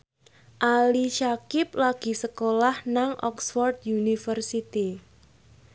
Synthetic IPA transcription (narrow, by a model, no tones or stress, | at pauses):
ʔaliʃakɪp̚laɡ̥i̤səkolahnaŋʔɔ̰ksfɔrt̪̚junifərsit̪i